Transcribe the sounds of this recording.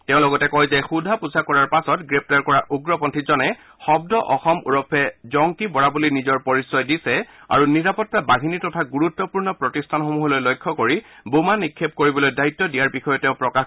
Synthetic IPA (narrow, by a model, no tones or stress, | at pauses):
tɛ̃ʊ̃lɔɡɔtɛkɔjzɛxudʱapuzakɔɹaɹpasɔtɡɹep̚taɹkɔɹaʔuɡɹɔpɔntʰizɔnɛ | xɔb̚dɔʔɔxɔmṵɹɔpʰɛzɔŋkibɔɹabulinizɔɹpɔɹisɔjdisɛ | a̰ɹuniɹapɔtːabaɦinitɔtʰaɡuɹutːɔpuɹnɔpɹɔtistʰanxomuɦɔlojlɔjkʰːɔkoɹibumanikʰːep̚koɹibɔlojdaitːɔdijaɹbixɔjɔtɛʊ̃pɹɔkax